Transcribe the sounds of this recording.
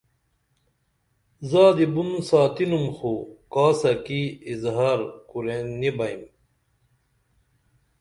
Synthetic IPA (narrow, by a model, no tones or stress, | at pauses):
zaːd̪ibunsaːt̪inumxokaːsɐkiːzɦaːɾkuɾenibɐim